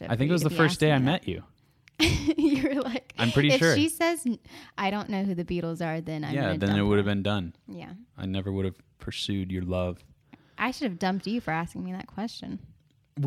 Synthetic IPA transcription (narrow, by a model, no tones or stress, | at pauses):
aɪθɪ̃kkt̚wʌzðəfɜ˞ssd̥eɪaɪmɛt͡ʃʉ̰ | jə˞laɪkã̰mpʰɹ̥ɪɾiɪʃʊɹʃisɛzʔaɪɾõʊ̃nːoʊɦʉðɨbiɾl̩ˠzə˞ðɨ̃nãjæðɨ̃nɨt̚wʊɾɨvbɨ̃ndʌ̃njæ̰aɪnɛvə˞wʊɾɨv̥pʰə˞sʉdjə˞lʌv̥ | ʔaɪʃʊɾɨvdʌ̃mp̚tɨfə˞æskɪ̃ŋmiðɨ̰t̚kʰw̥ɛst͡ʃɨ̰̃n